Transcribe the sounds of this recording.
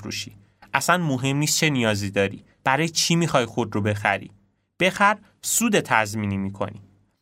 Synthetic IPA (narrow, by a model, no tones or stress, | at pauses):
ɾṵːʃi | ʔæsænmoɦe̞mniːst̪̚t͡ʃʰe̞nijɒːzid̪ɒːɾḭ | b̥æɾɒːjet͡ʃʰimixɒjxo̞d̪robe̞xæɾḭː | b̥e̞xæɾ | suːd̪e̞t̪ʰæzmiːnimiːkʰo̞̰nḭ